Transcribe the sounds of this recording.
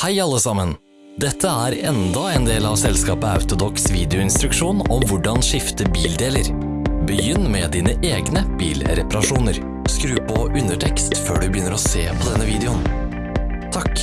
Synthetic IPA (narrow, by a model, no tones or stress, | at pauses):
hæɪɑlːəsɑmən | d̪ɛt̪ʰːəæːɾɛnd̪ɑeːnd̪eːlɑʋsɛlskɑːpəɑ̰ʉt̪ʊd̪ɔksʋiːd̪ɛʊɪnst̪ɾʉkʂuːnɔmʋʊɖɑnʂɪft̪əbiːld̪eːləɾ | bəjʏnːmɛd̪iːnəʔeːɡnəb̥ḭːlɾɛpɑɾɑʂuːnəɾ | skɾʉːpʰɔʔʉnəʈʰɛkst̪føːɖʉbəjʏnːəɾɔseːpʰɔd̪ɛnːəʋiːd̪ɛʊn | t̪ʰɑk